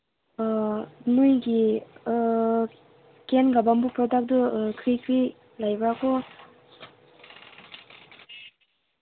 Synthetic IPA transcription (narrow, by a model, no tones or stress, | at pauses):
nujɡi | kenɡabambupɾɔdak̚dɯkʰɾikʰɾi | lajbɾakʰɔ